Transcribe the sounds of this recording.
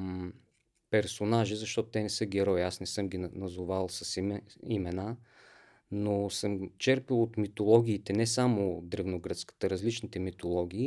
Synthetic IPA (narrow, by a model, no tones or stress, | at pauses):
pɛɾsonaʒizɐʃt̪ɔt̪ʊt̪ɛnɛsɤɡʲɛɾɔjasnɛsɤmɡʲinnɐzovalˠsəsimɛna | nosɤmt͡ʃɛɾpilˠot̪mit̪olˠɔɡʲiːt̪ɛnɛsamod̪ɾɛvnoɡɾət̪skə̥t̪əɾɐzlit͡ʃnit̪ɛmit̪olˠɔɡ̟ʲiː